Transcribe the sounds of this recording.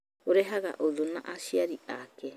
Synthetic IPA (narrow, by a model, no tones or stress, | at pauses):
oɾeɦaɡa̰ʔodona̰ʔasiaɾiaːke